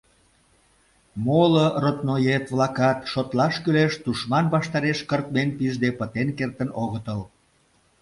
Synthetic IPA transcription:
molorot̪nojet̪βlɑkɑt̪ʃot̪lɑʃkyleʃt̪uʃmɑnβɑʃt̪ɑɾeʃkərt̪menpiʒd̪epət̪enkert̪ənoɣət̪əl

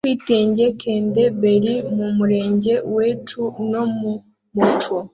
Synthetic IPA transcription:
wiːteːɲɟekeːndebeɾimumuɾeːɲɟeweːt͡ʃuno̞mu | mut͡ʃo

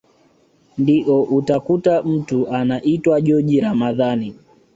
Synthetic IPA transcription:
ndiʔɔʔutakutam̩tuʔanaʔitwaʄɔʄiɾamaðani

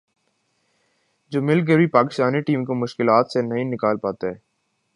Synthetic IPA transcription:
d͡ʒoːmɪlk̬əbʱipaːkɪst̪aːniʈiːmkomʊʃkɪlaːt̪senɐɦĩnɪkaːlpaːt̪aɦɛː

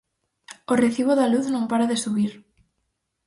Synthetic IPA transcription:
oreθiβ̞oðaluθnõmpaɾaðesuβiɾ

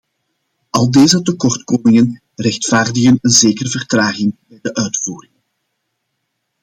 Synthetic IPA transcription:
ʔɑlˠdeːzətəkɔrtkoːmɪŋən | rɛxtfaːrdəɣənənzeːkərəvərtraːɣɪŋbɛjdəʔœɥtfuːrɪŋ

